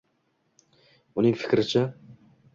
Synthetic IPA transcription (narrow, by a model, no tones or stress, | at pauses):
ʊnɪŋfɪ̥kʲɾɪt͡ʃʰa